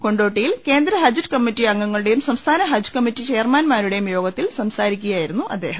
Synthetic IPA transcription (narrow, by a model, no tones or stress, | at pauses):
ko̞ɳɖoːʈːijilke̞ːnd̪ɾɐɦɐd͡ʑutkɐmːitːiɐŋːɐŋːɐɭuɽe̞jumsɐmst̪ʰaːnɐɦɐd͡ʑkɐmːitːit͡ɕejɐrmaːnmaːnuɽe̞jumjo̞ːɡɐt̪ːilsɐmsaːɾikʲːuɣɐjaːjiɾunːuʔɐd̪ːe̞ːɦɐm